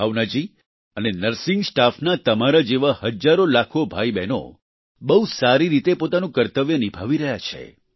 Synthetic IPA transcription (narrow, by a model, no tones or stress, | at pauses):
awnad͡ʒi | ənenəɾsɪŋɡsʈafnat̪əmaɾad͡ʒeʋahəd͡ʒaɾolakʰobʱaibɛno̰ | bəusaɾiɾit̪epot̪anũkəɾt̪əʋjənibʱaʋiɾəɦjat͡ʃʰḛ